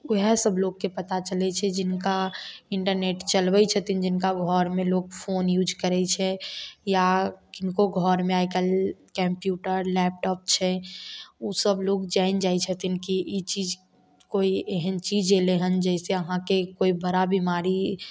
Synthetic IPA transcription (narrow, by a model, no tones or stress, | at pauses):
ɦɛsəbloɡkepət̪at͡ʃəlɛt͡ʃʰɛd͡ʒɪnkaɪɳʈəɾneʈt͡ʃəlbət͡ʃʰət̪ind͡ʒɪnkaɡʱɔɾmẽloːɡ̚pʰoːnjuːd͡ʒkəɾɛt͡ʃʰɛjakɪnkoɡʱɔɾmẽaɪkəlkɛ̃mpjuʈəɾlɛp̚ʈɔːp̚t͡ʃʰɛ | usəbloɡd͡ʒaɪnd͡ʒaːjt͡ʃʰət̪inkiʔit͡ʃid͡ʒ | koieɦənt͡ʃid͡ʒeleɦənd͡ʒɛɪseəɦãkekoibəɾabimaɾi